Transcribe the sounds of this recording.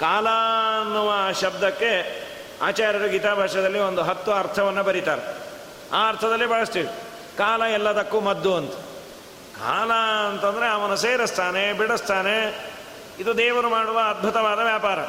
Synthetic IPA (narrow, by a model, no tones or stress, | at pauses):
kaːlɐɐnːuʋɐʃɐb̚d̪ɐkːe̞ | a̰ːt͡ʃaːɾjɐɽuɡit̪aːbʱaːʂɐd̪ɐlːio̞nd̪uɦɐt̪ːuɐɾt̪ʰɐʋɐnːubɐɾit̪aːɾe | aːɐɾt̪ʰɐd̪ɐlːibʱɐɭɐst̪iːɽu | kaːlɐɛlːɐd̪ɐkːumɐd̪ːuɐnt̪u̥ | ka̰ːlɐːnt̪ɐnd̪ɐɾeɐʋɐnuseːɾɐst̪ʰaːnebiɽɐst̪ʰaːne | id̪ud̪ɛːʋɐɾumaːɽuʋɐːd̪̚bʱut̪ɐʋaːd̪ɐʋjaːpaːɾɐ